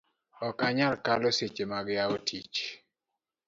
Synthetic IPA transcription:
ɔkaɲalkaloset͡ʃemaɡjaotʰit͡ʃ

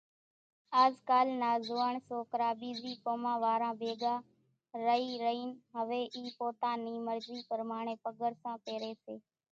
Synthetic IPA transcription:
aːzkaːlnaːzoːəɳsoːkəɾaːɓiːziːpoːmãːʋaːɾãːbeːɡãː | ɾəiːɾəiːnɦəʋeːʔiːpoːt̪ãːnĩːməɾziːpəɾmaːɳẽːpəɠəɾsãːpeːɾeːseː

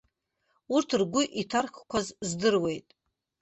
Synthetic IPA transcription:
urtʰɨrɡʷʊʔitʰarχkʷʰazzdɨrwe̞jtʼ

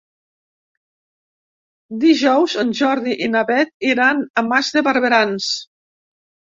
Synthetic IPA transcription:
d̪iʒɔwzənʲʒɔɾðiʔinaβɛt̪̚iɾanamazðəβaɾβeɾans

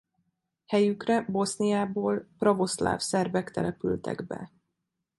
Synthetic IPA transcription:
hɛjykrɛbo̞snijaːboːlprɒvo̞sla̰ːfsɛrvɛkt̪ɛ̰lɛpy̰lt̪ɛ̰ɡbɛ̰

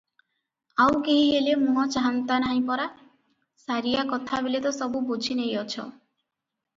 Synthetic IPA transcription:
awɡeɦiɦelemuɦɔt͡ʃaɦant̪anaɦĩpɔɾa | saɾijakɔt̪ʰabilet̪ɔsɔbubud͡ʒʱinejɔt͡ʃʰɔ̰

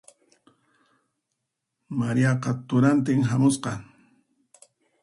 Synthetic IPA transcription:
maɾijɑqɑt̪ʊɾant̪ɪŋɦamʊsqɑ

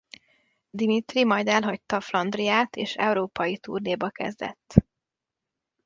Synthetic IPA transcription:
d̪imit̪rimɒjd̪ɛlɦɒc̚t̪ːɒflɒnd̪rijaːt̪ʰeːʃɛ̰uɾoːpɒjit̪ṵrneːbɒkɛ̰zd̪ɛ̰t̪ː

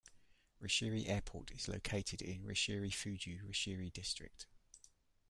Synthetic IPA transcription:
ɹɪʃɪəɹiʔɛːpʰɔ̰ˑtʰɪz̥lə̰ʊkʰeɪtʰɪdɪ̰̃nɹɪ̰ʃɪəɹifʉːd͡ʒʉːɹɪʃɪəɹidɪstɹ̥ɪ̰k̚t

